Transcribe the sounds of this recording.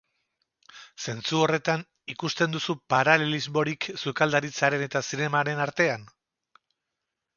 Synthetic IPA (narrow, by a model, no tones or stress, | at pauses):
se̞nt͡suo̞re̞t̪an | ikust̪e̞nd̪usupaɾalelizmo̞ɾiksukald̪aɾit͡saɾe̞ne̞t̪asine̞maɾe̞naɾt̪e̞an